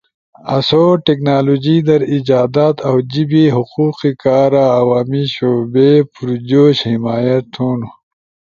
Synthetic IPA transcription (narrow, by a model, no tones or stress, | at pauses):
ɐ̰soʈeknaːloːd͡ʑid̪ɐɾid͡ʒaːd̪at̪awd͡ʑibiɦuquːqikaːɾaːwaːmiɕoːbepuɾud͡ʑoːɕhimaːjɐt̪ʰːuːnu